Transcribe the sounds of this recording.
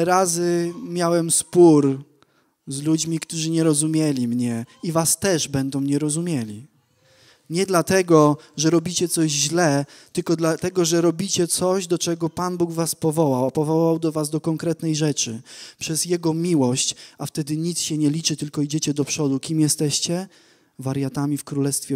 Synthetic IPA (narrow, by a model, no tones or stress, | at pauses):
ɾazɘmʲjawɛmspuɾ | zlud͡ʑmʲikt̪uʐɘɲɛɾɔzumʲjɛlʲimɲɛivast̪ɛʐbɛnd̪ɔ̃w̃ɲɛɾɔzumʲjelʲi | ɲɛd̪lat̪ɛɡɔʐɛɾɔbʲit͡ɕɛt̪sɔʑʑlɛt̪ɘlkɔd̪lat̪ɛɡɔʐɛɾɔbʲit͡ɕɛt̪sɔʑd̪ɔt͡ʂɛɡɔpanbuɡvaspɔvɔwawapɔvɔwawawd̪ɔvazd̪ɔkɔŋkɾɛt̪nɛjʐɛt͡ʂɘpʂɛzjɛɡɔmʲiwɔɕt͡ɕaft̪ɛd̪ɘɲit̪sɕɛɲɛlʲit͡ʂɘt̪ɘlkɔid͡ʑet͡ɕɛd̪ɔpʂɔd̪ukʲimjɛst̪ɛɕt͡ɕɛ | vaɾjat̪amʲifkɾulɛst̪fʲɛ